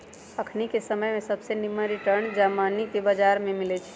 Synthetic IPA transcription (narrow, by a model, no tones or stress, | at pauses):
əkʰnikesəməjmẽsəbsenimə̃ɾiʈəɾnd͡ʒamanikebad͡ʒaːɾmẽmɪlɛt͡ʃʰ